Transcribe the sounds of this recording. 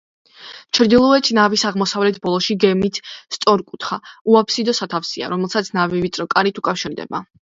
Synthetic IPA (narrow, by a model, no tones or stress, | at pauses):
t͡ʃʰɾd̪ilˠɔɛt̪ʰnavisaʁmɔsavlɛt̪ʰbɔlˠɔʃiɡɛmit̪ʰst̪sʼɔɾkʼut̪ʰχauapʰsid̪ɔsat̪ʰafsia̰ɾɔmɛlˠsat̪sʰnavivit̪sʼɾɔkʼaɾit̪ʰukʼafʃiɾd̪ɛ̰ba